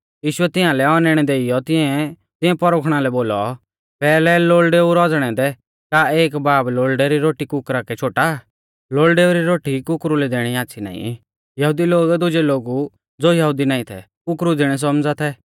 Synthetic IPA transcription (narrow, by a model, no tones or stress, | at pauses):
jiːʃʊɛt̪ɪ̃ãlɛɔnɛɽ̃ɛd̪eːɪjɔt̪ɪ̃ɛ̃ | t̪ɪ̃ɛ̃pɔɾoːkʰɽ̃alɛboːlɔ̰ | pɛːlɛloːlɖeːuɾɔd͡zɽ̃ɛ̃d̪ɛ | kaeːkbaːbloːlɖɛɾiɾoːʈikʊkɾakɛt͡ʃʰoːʈa | loːlɖeːuɾiɾoːʈikʊkɾulɛd̪eːɽ̃iaːʃʰina̰ːḭ̃ | jɐɦuːd̪iloːɡd̪ʊd͡ʒeloːɡu | d͡zoːjɐɦud̪inaːĩt̪ʰɛ̰ | kʊkɾud̪ɪːɽ̃ɛs̬ɔmd͡zat̪ʰɛ